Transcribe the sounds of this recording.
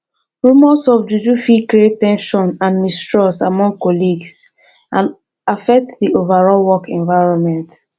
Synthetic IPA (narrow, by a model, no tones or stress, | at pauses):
ɹumɔsɔfd͡ʒud͡ʒufikɹiet̚tɛ̃nʃɔ̃nãnmistɹɔsamɔ̃ŋɡ̚kɔliɡs | ãn | afɛk̚tdiʔovaɹɔlwɔkɛ̃nvaɪɹɔ̃nmɛ̃nt